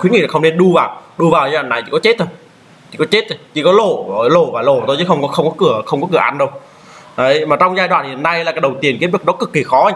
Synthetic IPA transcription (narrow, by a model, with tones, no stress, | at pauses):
kwŋḭ˧˨a˨˩xə˧wŋ͡mne˧nɗu˧vaː˨˩wɗu˧vaː˨˩waː˨˩na˨˩jt͡ɕḭ˧˩kɔ˨˦t͡ɕe˦˥t̚t̪ʰo˧j | t͡ɕʰi˧˩kɔ˨˦t͡ɕe˦˥t̪̚o˨˧˦t͡ɕi˧˩kɔ˨˦lo˧˩˨lo˧˩vaː˨˩lo˧˩t̪o˧jt͡ɕɨ˨˦xə˧wŋ͡mkɔ˨˦xə˧wŋ͡mkɔ˨˦kɨ˧˩əxə˧wŋ͡mkɔ˨˦kɨ˧˩əʔa˧nɗə˧w | ʔə˨˦jmaː˨˩t͡ɕɔ˧wŋ͡mzaː˧jɗwa̰˧˨nhi˨˩əna˧jlaː˨˩kːjɗə˨˩wt̪i˨˩ənke˨˦˥vi˨˩ɗɔ˨˦˥kɨ˨˩kːi˨˩xɔ˨˦˧